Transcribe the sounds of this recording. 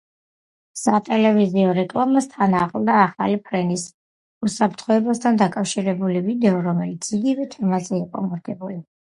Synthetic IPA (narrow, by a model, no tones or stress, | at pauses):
sat̪ʼɛlɛviziɔɾɛkʼlˠamast̪ʰanaːχʼlˠd̪aːχa̰lipʰɾɛnis | usapʰɾt̪ʰχɔɛbast̪ʰand̪akʼafʃiɾɛbulivid̪ɛɔɾɔmɛlit̪sʰiɡivɛt̪ʰɛmazɛiqʼɔ̰mɔɾɡɛbuli